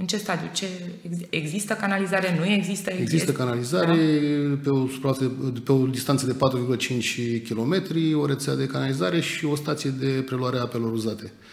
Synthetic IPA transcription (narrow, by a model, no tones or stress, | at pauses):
ɨnt͡ʃe̞st̪ad̪ijut͡ʃe̞ | eɡeɡzist̪əkanalizaɾe̞nuje̞ɡzist̪əeeɡzist̪əkanalizaɾepeosupɾaat̪peod̪ist̪ant̪səd̪epat̪ɾuvirɡulət͡ʃint͡ʃʲkʲilo̞me̞t̪ɾio̞ɾe̞t̪saad̪e̞kanalizaɾe̞ʃio̞st̪at̪sije̞d̪e̞pɾe̞luaɾeaape̞lo̞ɾuzat̪e̞